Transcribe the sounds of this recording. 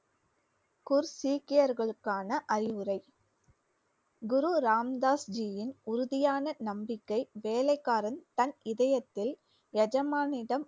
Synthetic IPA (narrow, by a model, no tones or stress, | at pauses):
kʊɾsiːkɪjɐɾɣɐɭɯkːaːnɐʔɐɾɪʋɯɾɐɪ | ɡʊɾuɾaːmd̪aːsd͡ʒijɪnʊɾʊðɪjaːnɐnɐmbɪkːɐɪʋeːlɐɪkːaːɾɐnt̪ɐnɪðɐjɐt̪ːɪl | jɐd͡ʒɐmaːnɪɽɐm